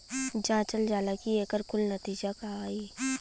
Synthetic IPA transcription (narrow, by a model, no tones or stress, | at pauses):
d͡ʒãːt͡ʃəld͡ʒaːlakieːkəɾkʊlnət̪iːd͡ʒakaaːi